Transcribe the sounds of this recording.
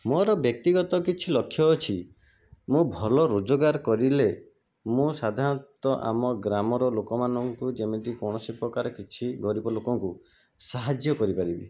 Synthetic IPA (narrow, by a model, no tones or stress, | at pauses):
mɔɾɔbjɔk̚t̪iɡɔt̪ɔkit͡ʃʰilɔkʰːjɔːt͡ʃʰi | mũbʱɔlɔɾod͡ʒɔɡaɾkɔɾile | mũsad̪ʱaɾɔt̪ɔʔa̰mɔɡɾamɔɾɔlokɔmanɔŋkud͡ʒemet̪ikɔɽ̃ɔsipɾɔkaɾɔkit͡ʃʰiɡɔɾibɔlokɔŋku | saɦad͡ʒjɔkɔɾipaɾibḭ